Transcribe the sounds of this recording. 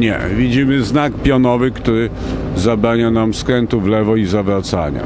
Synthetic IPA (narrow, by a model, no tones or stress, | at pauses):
ɲɛ̰vʲid͡ʑimɘznak̚pʲjɔnɔvɘkt̪uɾɘ | zabɾaɲanamskɾɛnt̪uvlɛvɔizavɾat̪sa̰ɲa̰